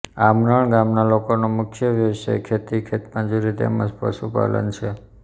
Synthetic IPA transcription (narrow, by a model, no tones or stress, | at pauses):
amɾəɳɡamnalokonomʊkʰjəʋjəʋsḛkʰet̪ikʰet̪mãd͡ʒuɾit̪ḛmãd͡ʒpə̰ʃupa̰lə̰nt͡ʃʰe